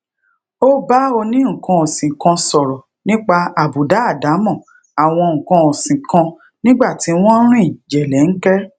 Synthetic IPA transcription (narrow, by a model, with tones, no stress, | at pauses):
o˦ba˦o˧nĩ˦ŋ̩˨kɔ̃˧ɔ˨sĩ˨kã˧sɔ˨ɾɔ˨ | nĩ˦k͡pa˧a˨bu˨da˨˦a˦˨da˨˦mɔ̃˦˨ | a˨w̃ɔ̃˧ŋ̩˨kɔ̃˧ɔ˨sĩ˨kã˧ | nĩ˦ɡ͡ba˦˨ti˨˦w̃ɔ̃˦ɾ̃ũ˦ĩ˦˨d͡ʒɛ˨lɛ˨˦ŋ̩˦kɛ˦